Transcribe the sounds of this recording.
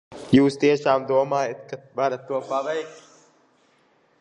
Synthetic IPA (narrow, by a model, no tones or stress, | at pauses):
juːst̪iɛʃaːmd̪uɔmaːjat̪kavaɾat̪ːuɔpaʋɛjk̚t̪